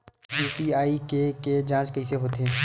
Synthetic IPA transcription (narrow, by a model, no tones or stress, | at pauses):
juːpiaːikeked͡ʒãːt͡ʃkɐiseɦoːt̪eː